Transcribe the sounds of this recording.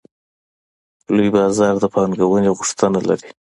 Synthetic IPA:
lojbɑzɑɾd̪əpɑŋɡawəneɣʊʂt̪ənala̰ɾi

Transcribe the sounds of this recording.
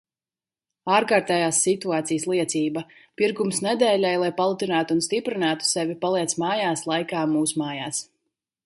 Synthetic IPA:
aːɾkaːɾt̪ɛːjaːsːit̪uaːt̪sijəslˠiɛt̪siːbapiɾɡumsnɛd̪ɛːlʲajlˠajpalˠut̪inaːt̪uːnst̪ipɾinaːt̪u̥sɛvipalˠiɛt̪smaːjaːslˠajkaːmuːsumaːjaːs

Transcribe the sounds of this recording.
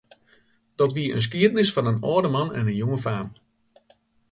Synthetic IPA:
d̥ɔtʋiəʔə̰ns̬kiətnɪsfɑnənɔːdəmɑnɛ̰nənjoŋəfaːn

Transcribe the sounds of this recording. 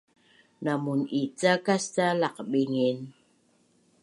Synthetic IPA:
namunit͡sakastalaqɓiŋin

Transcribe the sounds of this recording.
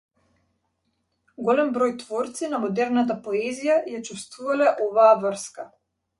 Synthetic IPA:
ɡɔlɛmbɾɔjt̪vɔɾt̪sinamɔd̪ɛɾnat̪̬apɔɛzijajat͡ʃust̪vuvalɛʔɔvaːvrska

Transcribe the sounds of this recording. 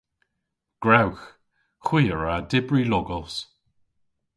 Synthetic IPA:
ɡ̥ɹawx | xwiːəɹadɪbɹilɔɡɔlˠs

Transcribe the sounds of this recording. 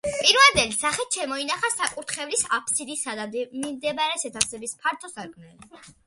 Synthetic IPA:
pʼiɾvɛnd̪ɛlisaχɛt̪ʃɛmɔinaχasakʼuɾt̪ʰχɛvlisapʰsid̪isad̪amimd̪ɛbaɾɛsɛt̪ʰasɛbispʰaɾt̪ʼɔsaɾkʼmnɛli

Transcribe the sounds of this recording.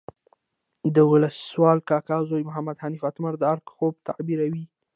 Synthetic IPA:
d̪əwʊləswɑlkɑkɑzojmʊɦamad̪hanifat̪maɾd̪əaɾkxob̚t̪ʰabiɾawi

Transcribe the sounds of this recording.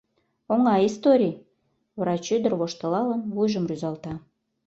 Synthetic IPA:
oŋɑist̪oɾʲij | vrɑt͡ɕyd̪ə̆rβoʃt̪ə̆lɑlənβujʒə̆mryzɑlt̪ɑ

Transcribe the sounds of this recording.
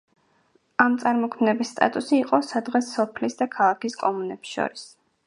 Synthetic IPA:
amt̪sʼaɾmɔkʰmnɛbisːt̪ʼa̰t̪ʼusiːqʼɔsad̪ʁɛsːɔpʰlisd̪akʰalˠakiskʼɔmunɛpsʃɔ̰ɾis

